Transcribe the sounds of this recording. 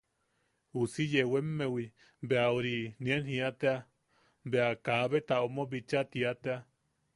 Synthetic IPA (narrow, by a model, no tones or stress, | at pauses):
usijewemːewi | beauɾinĩenhĩat̪ea | beakaβet̪aomobit͡ʃat̪iat̪ea